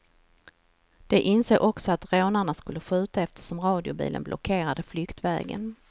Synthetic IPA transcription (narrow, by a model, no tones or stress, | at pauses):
d̪̥ɛʔɪnseːɡʔɔksɔat̪ɾoːnaɳaskɵlːəɧʉ̟ːt̪aɛft̪ə̥ʂɔmɾɑːd̪ɪʊbḭːlə̰nblʔɔ̰kʰeːɾad̪əflʏkt̪vɛ̰ːɡə̰n